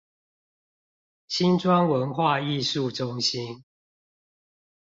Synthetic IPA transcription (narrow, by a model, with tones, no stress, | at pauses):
ɕʰi˦nʈ͡ʂwa˦nwə˨˦nxwa˥˧i˥˨ʂu˥˨ʈ͡ʂʊ˦ŋɕi˦n